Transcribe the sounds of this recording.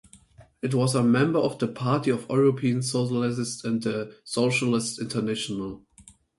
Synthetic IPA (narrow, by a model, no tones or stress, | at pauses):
ɨtwʌzəmɛ̃mbə˞ɔvðəpʰaɹtiɔvɔɹopʰiə̃nsoʊʃəlɪsstæ̃nðəsoʊʃəlɪstɪ̃ntʰə˞næʃɔnəlˠ